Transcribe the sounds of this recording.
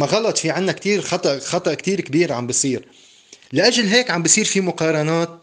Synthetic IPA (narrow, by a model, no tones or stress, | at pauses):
maɣɑlɑt̪ˤfiʕɪnːakt̪iːɾxɑt̪ˤɑʔxɑt̪ˤɑʔkt̪iːɾkbiːɾʕa̰mbɪsˤiːɾ | lɪʔaʒlɦeːkʕambɪsˤiːɾfimʊqɑːɾˤɑnaːt̪̚